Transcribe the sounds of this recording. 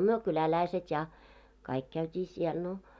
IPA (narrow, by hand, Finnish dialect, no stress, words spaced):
myø kylælæiset jɑ kɑik kæytʲiː siɛl no